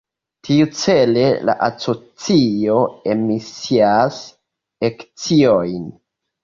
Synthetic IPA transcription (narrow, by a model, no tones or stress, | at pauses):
tʰiut͡sele̞la̰ʔaso̞t͡sio̞emisias | ekt͡siojn